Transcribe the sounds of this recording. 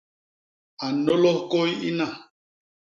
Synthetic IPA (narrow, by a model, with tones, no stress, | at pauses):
a˨nɔ˦lɔ˦ko˦ji˦na˨